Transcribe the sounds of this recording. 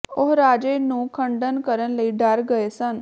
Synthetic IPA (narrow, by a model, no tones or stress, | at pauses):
oɦɾaːd͡ʒenũkʰə̃ɳɖənkəɾənləiɖaɾɡəesən